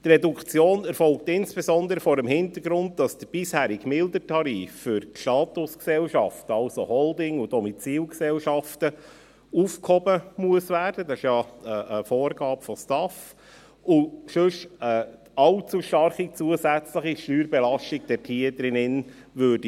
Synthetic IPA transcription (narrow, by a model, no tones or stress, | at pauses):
t̪rɛdukʰt͡sjoːnɛɾfɔlk̚tɪnsb̥esɔnd̪əɾəfɔːɾəmhɪnt̪əɾɡɾʊnt̚d̥ɑsd̥əb̥ishæːɾiɡmɪldətʰɑɾiːfːʏɾʃtɑːt̪ʊsksɛlʃɑftəɑʊsohɔldɪŋudɔmit͡siːlksɛlʃɑftə | ufkhɔbəmuəsʋæːrd̥ədɑsɪʃjɑəəfoːrɡɑːpfɔstɑf | ʊʃʉʃə | ɑlt͡suʃtɑrχit͡suəzæt͡sləχiʃtyːɾbɛlɑʃtiɡd̥ɛɾtʰiəd̥̪ɾɪnɪn | ʋøːɾdi